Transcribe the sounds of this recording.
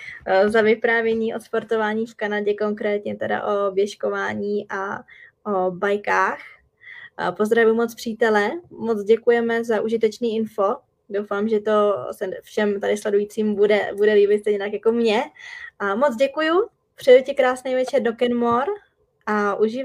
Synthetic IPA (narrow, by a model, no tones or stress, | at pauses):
zavɪpɾaːvjɛɲiːʔot̪spoɾt̪o̞vaːɲiːfkanaɟɛkoŋkɾɛːt̪ɲɛt̪ɛda̰ʔovjɛʃkovaːɲiːʔaʔobajkaːx | pozd̪ɾavʊjumot͡spr̥iːt̪ɛlɛmot͡sɟɛkujɛmɛzaʔuʒɪt̪ɛt͡ʃniːɪnfo̞ | dowfaːmʒɛt̪o̞sɛfʃɛmt̪adɪslɛdujiːt͡siːmbudɛ̰budɛliːbɪt̪sɛɲɛt̪akjakomɲɛ | mot͡sɟɛkuju | pr̝̥ɛjɛcɪkɾaːsnɛjvɛt͡ʃɛɾdokɛnmoɾ | ʔaʔuʒɪ